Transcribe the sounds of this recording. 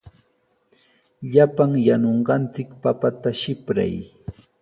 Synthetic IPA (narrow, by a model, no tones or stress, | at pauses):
ʎapaŋjanoɴɢɑnt͡sɪkpapat̪aʃɪpɾa̰j